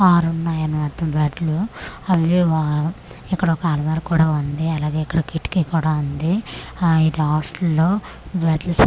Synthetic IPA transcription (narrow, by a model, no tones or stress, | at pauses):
aːɾunːaːjɐnimaːt̪ːɐmbaːʈluɐʋia | ikːɐɽɐɔkaːlɐʋaːɾkuːɽaːund̪iɐlaːɡe̞ːikːɐɽɐkiʈːkikuːɽaːund̪i | id̪iaːɾslːoː | baːʈlus